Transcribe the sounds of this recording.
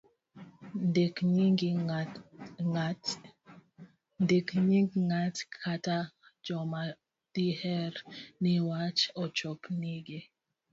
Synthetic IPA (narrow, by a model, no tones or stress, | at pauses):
ndkɲiŋɡi | ndekɲiŋɡiŋatkʰata | d͡ʒɔma | d̥ihɛɾniwat͡ʃɔt͡ʃɔkniɡe